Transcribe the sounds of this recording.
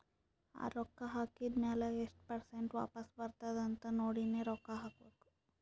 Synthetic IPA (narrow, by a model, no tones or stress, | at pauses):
a̰ːɾɔkːɐɦaːkid̪meːlɐeʂʈpɐɾseɳʈʋa̰ːpɐsbɐɾt̪ad̪ɐnt̪ɐnoːɽineːɾɔkːaɦaːkoːd̪u̥